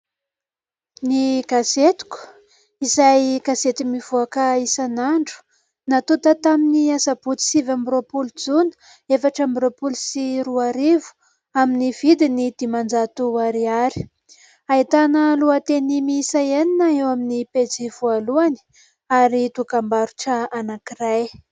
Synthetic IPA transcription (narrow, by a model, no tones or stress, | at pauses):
niɡaset̪u̥ku̥ | izajɡaset̪imiv̥uakəisanaɳɖ͡ʐu̥ | nat̪ut̪ət̪aminiasab̥ut͡s̪i̥sivambɾopuld͡zunə̥ | efaʈ͡ʂambɾopulusiɾuaɾivu̥ | aminiv̥id̪inid̪̥imand͡zat̪uaɾiaɾi̥ | ait̪anəluat̪enimisaeninaewaminiped͡ziv̥ualuani̥ | aɾit̪ukambaɾuʈ͡ʂəanakiraj